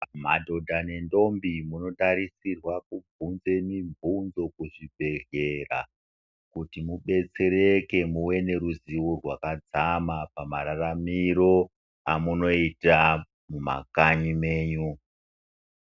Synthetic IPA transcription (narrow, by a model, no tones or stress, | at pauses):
ma̰dʱo̞dʱane̞ndo̞mbimuno̞taɾisirwakub͡vʱunze̞mivʱunzo̞kuʐibʱe̞ɮe̞ra̰ | kutimuɓe̞t͡se̞ɾeke̞muwe̞ne̞ɾuziworwakad͡zamapamaɾaramiɾo̞ | amuno̞ita | muma̰kaɲime̞ːɲu